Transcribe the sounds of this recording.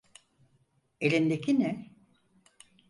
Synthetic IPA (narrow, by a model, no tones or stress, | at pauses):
elind̪ekʰinɛ